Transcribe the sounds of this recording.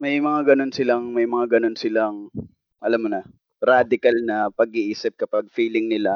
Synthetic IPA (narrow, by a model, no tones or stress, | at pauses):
mɐjmɐŋaɡɐno̞nsɪlaŋmɐjmɐŋaɡɐno̞nsɪlaŋ | ʔɐlamːonɐ | ɾad̪ɪkalnɐpɐɡ̚iʔiːsɪp̚kɐpaɡ̚fiːlɪŋnɪla